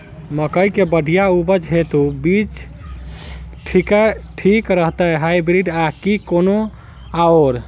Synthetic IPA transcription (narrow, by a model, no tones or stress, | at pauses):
məkəjkebəɖʱijaubəd͡ʒɦet̪ubit͡ʃ | ʈʰikəʈʰikɾəɦt̪əɦaibɾiɖakikono | aoɾ